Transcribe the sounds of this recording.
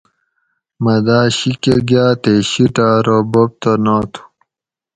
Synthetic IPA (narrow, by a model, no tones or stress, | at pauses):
mɐd̪aːɕikeɡjaːt̪eɕiʈaːɾobop̚t̪onat̪ʰu̥